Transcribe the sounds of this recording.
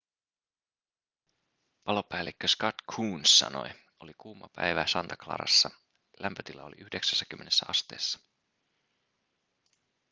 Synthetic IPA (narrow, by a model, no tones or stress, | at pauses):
pɑlo̞pæːlekːøskɑt̪kʰuːnsːɑ̰no̞̰j | o̞likuːmːɑpæ̰jʋæːsɑnt̪ɑklɑ̰ːɾɑ̰sːɑ | lʔæmpøt̪ilːɑ̰o̞lḭʔyhdeksæ̥sːæk̟ymːene̞sːæɑst̪eːsːɑ̥